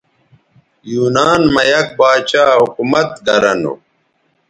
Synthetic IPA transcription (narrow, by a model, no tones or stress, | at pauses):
juːnaːnmɐjɐk̚baːt͡ɕaːɦukumɐt̪ɡɐɾɐnṵ